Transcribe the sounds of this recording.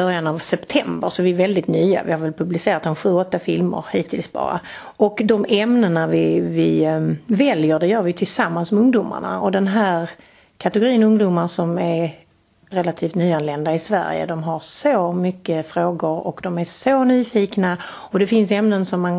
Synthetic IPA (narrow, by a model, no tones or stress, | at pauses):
œɾjanavsɛpt̪ʰɛmbə̰ɾʂɔvɪɛɾvɛld̪ɪt̪nyːa̰vɪhaɾvɛlpʰɵblɪseːɾat̪̚d̪ɔmɧʉ̟ːɔt̪ːafɪlmə̰ɾhiːt̪ʰɪlsbɑ̰ːɾa̰ | ɔkd̪ɔmɛmnənavɪvɪvɛljəɾɖɛjœːɾvɪjt̪ʰɪlsamːansmɛɵŋd̪ʊːma̰ɳa̰ɔd̪ɛnɦæːɾ | kʰat̪ɛɡʊɾiːənɵŋd̪ʊmaʂɔmæɾ | ɾɛlat̪ʰiːft̪nyːanlɛnd̪aɪsvæ̰ɾjə̰d̪ɔmɦaɾsoːmʏkːəfɾoːɡʊɾɔ̰kd̪ɔmæsonyːfiːkna | ɔd̪ɛfɪnsɛmnənsɔmːan